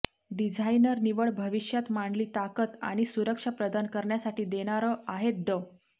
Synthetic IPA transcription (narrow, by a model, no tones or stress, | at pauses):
ɖid͡zʱainəɾniʋəɭbʱəʋiʂjat̪maɳɖliːt̪akət̪a̰ɽ̃isuɾəkʂapɾəd̪ankəɾɳjasaʈiːd̪eɽ̃aɾəaɦet̪̚ɖ̪ə